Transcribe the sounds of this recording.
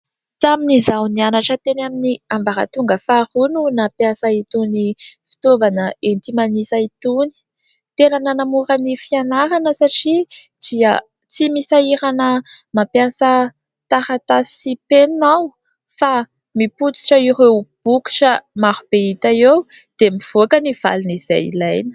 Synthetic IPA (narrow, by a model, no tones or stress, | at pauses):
t̪aminizawnianaʈ͡ʂət̪enaminiambaɾa̰t̪uŋɡəfaɾununapjasait̪unifi̥t̪ovanəent̪imanisait̪uni̥ | t̪enanənamuɾənifianaɾanəsaʈ͡ʂi | d̪̥iə | t͡simisaiɾanəmapjasə | t̪aɾat̪asiipennaw | fa | miput͡si̥ʈ͡ʂəiɾewb̥uki̥ʈ͡ʂəmaɾub̥eit̪aew | d̪̥emiv̥okəniv̥a̰liniz̥a̰jḭlajnə̥